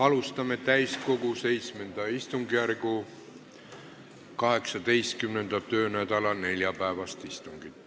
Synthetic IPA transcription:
ɑlust̪ɑme̞t̪æjsko̞ɡuse̞jt̪sme̞nd̪̥ɑist̪uŋɡijærɡu | kɑɦe̞ksɑd̪̥e̞jst̪̚kymne̞nd̪̥ɑt̪ø̞ːnæd̪ɑlɑne̞lʲjɑpæevɑst̪ist̪uŋɡ̥it̪ːˑ

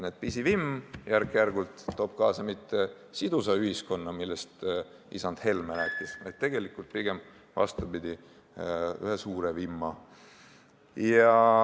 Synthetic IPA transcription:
ned̪̥̚pisivimːjærkːˑjærɡult̪ːo̞ːb̥kɑːsɑmit̪ːe̞ | sid̪usɑyɦisko̞nːɑmilːest̪ | isɑnd̪̥he̞lmælæt̪ːˑisvɑ̰jd̪̥̚t̪e̞ɡ̥e̞likult̪̚piɡ̥e̞m | vɑ̰st̪ubid̪̥ʲi | y̰ɦesuːɾevimːɑ | jɑ

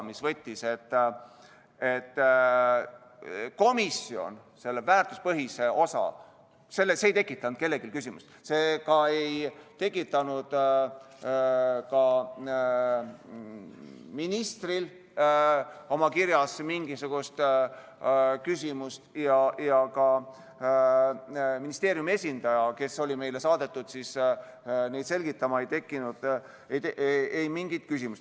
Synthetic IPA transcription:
misvɤt̪ʲːise̞t̪ːˑ | e̞t̪ː | ko̞misio̞̰n | se̞lːevæːrt̪uspɤɦise̞o̞sɑ̰ | se̞lːeseejt̪e̞kːˑit̪ˑːɑnd̪̥̚ke̞lːe̞ɡ̥ilkysʲimust̪se̞ːkɑejt̪e̞kˑːit̪ːˑɑnud̪̥ | kɑ | minist̪ril | o̞mɑkiɾjɑsmiŋɡisuɡ̥ust̪ | kysʲimust̪jɑjɑkɑ | minist̪e̞ːɾijumie̞sʲind̪̥ɑjɑke̞so̞lʲime̞jle̞sɑːd̪̥e̞t̪ːˑud̪̥sis | ne̞jd̪̥se̞lɡ̥it̪ːˑɑmɑejt̪e̞kːˑinud̪̥ | ejt̪eejmiŋɡ̥it̪̚kys̬ʲimust̪

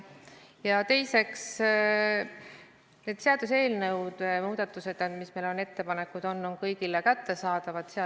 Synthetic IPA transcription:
jɑt̪e̞jse̞ks | ne̞ːd̪̥seɑd̪̥use̞ːlnɤwd̪̥muːd̪̥ɑt̪ːˑuse̞d̪̥mismejlo̞ne̞t̪ːe̞pɑne̞kːˑud̪̥o̞nːo̞nkɤjɡ̥ilekæt̪ːe̞sɑːd̪̥ɑvɑd̪̥seɑ

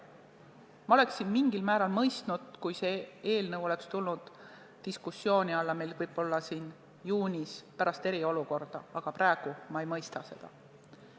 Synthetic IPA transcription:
mɑo̞le̞ksːinmiŋɡilmæːɾɑlmɤjst̪nud̪̥kujse̞eːlnɤwo̞lekst̪ulnud̪̥ː | iskusːjo̞ːnʲiɑlːɑmejlvɤjbo̞lːɑsiːn | juːnʲispæɾɑst̪e̞ɾio̞luko̞rd̪̥ɑɑɡ̥ɑpɾæe̞ɡ̥umɑe̞jmɤjst̪ɑse̞̰d̪̥ɑ̰

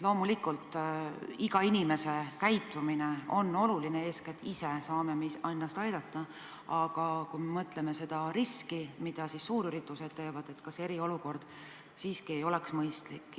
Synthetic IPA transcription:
lo̞ːmulikˑult̪ˑ | iɡ̥ɑinʲime̞se̞kæjt̪ːˑumineo̞nːo̞lulineeːsket̪ːˑise̞sɑːmemeiɑjnːɑst̪ɑjd̪̥ɑt̪ːˑɑ | ɑɡ̥ɑkujmemɤt̪ˑle̞me̞se̞d̪̥ɑɾiskimid̪̥ɑsisːuːɾyɾit̪ːˑuse̞d̪̥̚t̪e̞ːvɑd̪̥e̞t̪kɑse̞ɾio̞luko̞rd̪̥ | siːskie̞jo̞leksmɤjst̪likːˑ

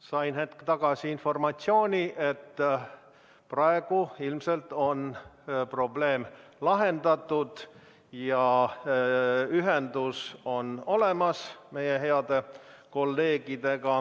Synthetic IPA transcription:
sɑjnhe̞t̪kt̪ɑɡ̥ɑsiinfo̞rmɑt̪sio̞ːnʲiʔe̞t̪ː | prɑe̞ɡ̥uilmse̞lt̪ˑo̞npro̞ble̞ːmlɑɦe̞nd̪ɑt̪ːˑud̪̥ | jɑ | yɦend̪uso̞no̞le̞mɑsme̞jeɦeɑd̪̥e̞ | ko̞lːe̞ːɡ̥id̪̥e̞ɡ̥ɑ

